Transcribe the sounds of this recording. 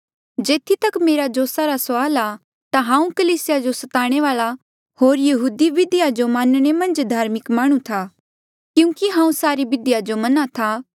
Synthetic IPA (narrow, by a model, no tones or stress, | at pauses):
d͡ʒeːt̪ʰit̪ɐkmeːɾad͡ʒoːsaɾasaːla | t̪aɦãːũkəliːsɪjad͡ʒosɐt̪aːɽ̃eʋaːɭa | hoːɾjɐɦuːd̪iʋɪd̪ɪjad͡ʒomãːnɽ̃emɐ̃nd͡ʒd̪ʱaːɾmɪkmaːɽ̃ũt̪ʰa | kjũːkiɦãːũsaːɾibɪd̪ɪjad͡ʒomɐnat̪ʰaː